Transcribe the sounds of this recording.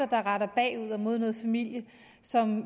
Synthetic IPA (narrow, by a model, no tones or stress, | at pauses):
ɐd̥ɑ̈ʁɑ̈ɾɐb̥ɛ̰ːuð̞̰ˠɒmo̝ð̞ˠnɔ̽ːð̩ˠfæmil̰jə | sɒ̽m